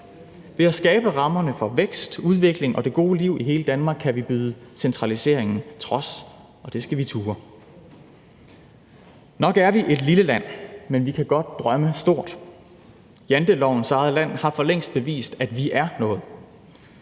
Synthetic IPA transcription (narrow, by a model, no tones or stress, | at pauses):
ʋe̝æsɡ̥ɛːb̥əʁɑ̈mɐnəfɒ̽ʋeɡ̥sd̥uð̞ˠʋe̝ɡ̥le̝ŋʔɒ̽d̥e̝ɡ̥o̝ːliʊ̰ʔiɦe̝ːləd̥ænmɑ̈ːɡ̥kʰæʋib̥yːðˠəsent͡sʰʁɑ̈lise̝̰ɐ̰eŋn̩t͡sʰʁɒ̽s | ɒ̽d̥e̝sɡ̥æʋit͡sʰuːɐ | nɒ̽ɡ̥æɐʋiʔe̝d̥liləlæn̰menʋikʰæɡ̥ɒ̽d̥̚d̥ʁɶməsd̥o̝ɐ̰d̥ | jænd̥əlɒʊ̰n̩sɑ̈ɪðˠlæn̰hɑ̈fɒ̽leŋ̰sd̥̚b̥e̝ʋḭːsd̥æd̥ʋiʔæɐnɔ̽ːð̩ˠ